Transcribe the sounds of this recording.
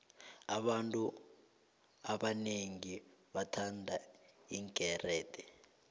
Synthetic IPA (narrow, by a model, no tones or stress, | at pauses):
aɓantʼu | aɓaneŋiɓatʰandʱaiŋkʼɛrɛːtɛ